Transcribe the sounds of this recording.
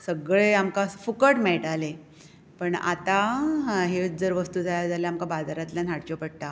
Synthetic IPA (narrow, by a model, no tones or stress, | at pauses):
səɡɭeamkafukəʈmeɭʈale | pəɳa̰t̪aɦed͡zəɾʋəst̪uːd͡zʱajad͡zaleamkabad͡zaɾat̪ljan̤aɽt͡ɕopəɽt̪a